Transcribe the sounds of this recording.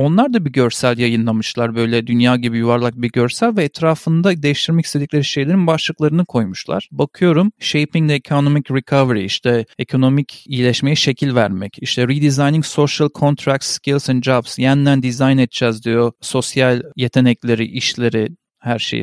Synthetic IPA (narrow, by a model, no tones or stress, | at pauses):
o̞nlˠaɾd̪abiɟø̞ɾsælʲjajɯnlˠamɯʃlˠaɾbø̞jlʲɛd̪ynjaːɟibijuvaɾlˠak̚biɟø̞ɾsælʲvɛːt̪ʰɾaːfɯnd̪ad̪e̞jiʃt̪ʰiɾmɛci̥st̪ed̪iclʲeɾiʃe̞jlʲeɾinbaʃlˠɯklˠaɾɯnɯkʰo̞jmuʃlˠa̰ɾ̥bakʰɯjo̞ɾumʃe̞jpiŋd̪ɛekʰo̞nomicɾɛkʰaveɾḭiʃt̪ʰɛekʰo̞no̞micijlʲɛʃme̞jɛʃe̞cʰilʲvæɾmɛciʃt̪ʰɛɾid̪izajniŋso̞ʃalˠkʰo̞nt̪ʰɾak̚t̪scʰilʲˠsænd͡ʒabsjænd̪ænd̪izajnɛt̪̚d͡ʒɛzd̪ijo̞so̞sjalʲje̞t̪ʰe̞nɛclʲe̞ɾḭʔiʃlʲe̞ɾi | hæɾʃḛj